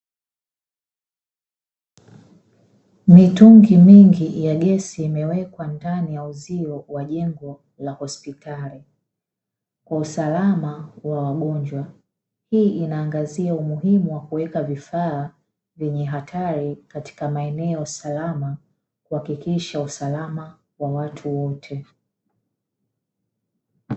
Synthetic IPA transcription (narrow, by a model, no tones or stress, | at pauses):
mituŋɡimiŋɡijaɠɛsiːmɛwɛkwandanijauziɔwaʄɛŋɡɔ | lahɔspitʰali | kwausalamawawaɠɔɲd͡ʒwa | hiːʔinaːŋɡaziaumuɦimuwakuwɛkavifaː | vjɛɲɛɦatʰaɾikati̥kamaɛnɛɔsalama | kuhakikiʃausalama | wawatʰuwɔtʰɛ